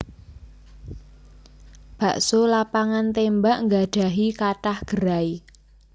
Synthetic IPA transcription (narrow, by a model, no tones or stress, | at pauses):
b̥a̤ʔsolapaŋant̪embaʔŋɡaɖ̥a̤ɦikaʈahɡ̥əɾai